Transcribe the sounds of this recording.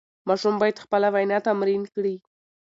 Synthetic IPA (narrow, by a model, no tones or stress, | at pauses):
mɑʃumbɑjad̪xpəlawajnɑt̪amɾinkɽi